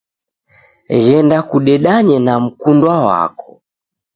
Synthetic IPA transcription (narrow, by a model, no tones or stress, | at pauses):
ɣɛndakuɗɛɗaɲɛnam̩kundwawa̰kɔ̥